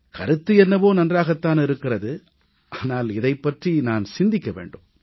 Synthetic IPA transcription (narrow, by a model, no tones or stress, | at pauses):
kɐɾɯt̪ːɯɛnːɐʋoːnɐndraːɣɐt̪ːaːnɪɾɯkːɪrɐðɯ | ʔaːnaːlɪðɐɪpːɐʈrinaːnsɪnd̪ɪkːɐʋḛːɳɖɯːm